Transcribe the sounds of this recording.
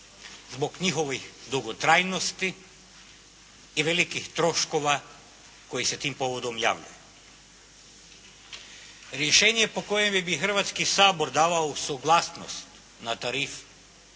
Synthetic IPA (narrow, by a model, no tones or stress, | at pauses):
zboɡɲixoʋixd̪uɡot̪ɾajnost̪i | ʋelikixt̪ɾoʃkoʋa | kojiset̪impoʋod̪omja̰ʋʎṵju | ɾjeʃeːɲijepokojemibixr̩ʋat̪skisaːboɾd̪aːʋaosoɡlˠasnost̪ | nat̪aɾif